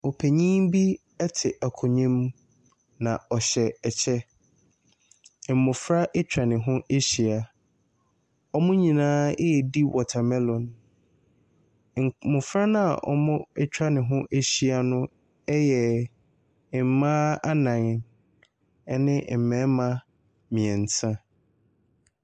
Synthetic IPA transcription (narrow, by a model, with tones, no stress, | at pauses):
o˨pʰe˨ɲĩ˦mbi˦ | ɛ˦tʰɪ˨ʔa˨kʰʊ˨ɲĩ˦m | nã˨ɔ˨ɕɛ˨ɛ˨t͡ɕʰɛ˦˨ | m̩˨mʊ̃˨fɾa˦ʔe˦t͡ɕᶣɾa˨nɪ̃˨ɦʊ̃˦ʔe˦ɕi˨a˨ | ɔ˦mʊ̃˦ɲĩ˨nãː˦e˦ɛ˨di˦wɔ˨tʰa˨mɛ˦lɔ̃˨n˨ | mʊ̃˨fɾa˦nã˦a̰˨ʔɔ̰˨mʊ̃˦ɛ˦t͡ɕʰᶣɾa˦nɪ̃˨ɦʊ̃˦ʔe˦ɕi˦a˨nʊ̃˦ | ɛ˦jɛ˨ | m̩˨˦mãː˦a˦nã˨ŋ˨˦ | nɪ̃˦˨m̩˨mɛ̃˨˦mã˦ | mĩ˨ɛ̃˨n̩˨tʰã˦